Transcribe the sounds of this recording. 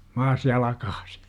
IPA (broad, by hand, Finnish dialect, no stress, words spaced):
mɑːs jɑlɑkɑ̥ːsi̥